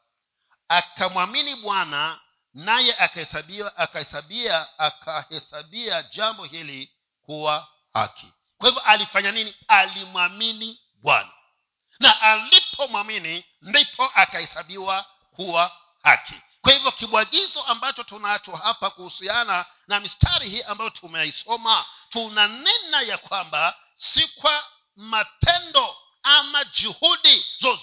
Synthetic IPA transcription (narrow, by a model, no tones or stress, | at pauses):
akamwaminiɓwana | najɛʔakahɛsaɓiaʔakahɛsaɓiaakʰahɛsaɓiaʄambɔhili | kuwa | ha̰kʰi̥̰ | kwahivjɔʔalifaɲaninialimwamini | ɓwa̰na̰ | naʔalipʰɔmwamini | ndipʰɔʔakahɛsaɓiwa | kuwa | ha̰kʰḭ | kwahivjɔkiɓwaɠizɔambat͡ʃɔtunat͡ʃɔhapakuhusiana | namistʰaɾihiːambajɔtʰumɛisɔmatunanɛnajakwamba | sikwa | matʰɛndɔ | amad͡ʒuhuɗizɔz